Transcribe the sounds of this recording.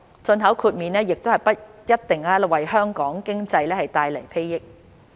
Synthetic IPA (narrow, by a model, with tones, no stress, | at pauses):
t͡sɵ˧nɦɐ˨˥wkʰuː˨˧t̚miː˨nɛː˥jɪ˨k̚t̪o˥whɐ˨˩jpɐ˥t̚jɐ˥t̚t̪ɪ˨ŋaː˧lwɐ˨jhœː˥ŋkɔː˨˥ŋkɪ˥ŋt͡sɐ˧jlɛː˥hɐ˨jt̪aː˧jlɐ̰˨˩jfe˥jjɪ˥k̚